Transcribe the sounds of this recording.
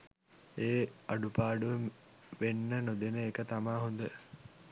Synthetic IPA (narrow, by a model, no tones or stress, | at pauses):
eːaɖupaːɖuʋə | ʋenːənod̪enəekət̪amaːɦond̪ə